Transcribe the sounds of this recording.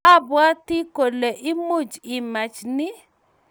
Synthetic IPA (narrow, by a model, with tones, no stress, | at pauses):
a˦bwa˦ti˦ko˨le˨ʔi˦mo˦˨d͡ʒi˨ma˨t͡ʃnɪ˦